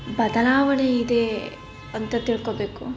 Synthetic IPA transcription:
bɐd̪ɐlaːʋɐɳeid̪e | ɐnt̪ɐt̪iɭkobeːku

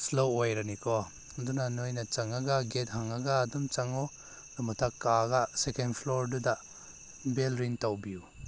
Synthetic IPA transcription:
slowojɾanikʰɔ | dunanojnɐt͡ʃaŋaɡaɡet̚ɦaŋaɡaːdumt͡ʃaŋɔ | dumatʰakːaɡasekenpʰlɔɾduda | belɾiŋtawbiu

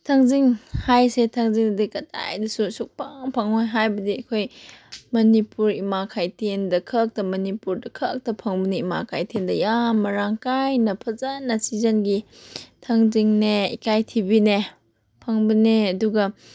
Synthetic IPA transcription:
tʰaŋziŋhajsetʰaŋziŋdɐdikɐta̰jdususuk̚paŋpʰaŋojɦajbɐdiɐkʰojmɐnipuɾimakʰajtʰendɐkʰɐk̚tɐmɐnipuɾdɐkʰɐk̚tɐpʰɐŋbɐneimakʰajtʰendɐjammːɐɾaŋkajnɐpʰɐzɐnːɐsizɐnɡitʰaŋziŋneḭkajtʰibine | pʰɐŋbɐneɐduɡɐ

